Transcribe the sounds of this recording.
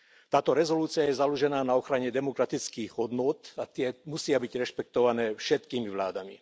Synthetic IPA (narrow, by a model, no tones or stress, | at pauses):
t̪aːt̪ɔɾɛzɔluːt͡siajɛzaluʒɛnaːnaɔxɾaɲɛd̪ɛmɔkɾat̪it͡skiːɣɦɔd̪nʊɔt̪at̪ɪɛmusɪabiɟɾɛʃpɛk̚t̪ɔʋanɛːfʃɛt̪kiːmiʋlaːd̪amḭ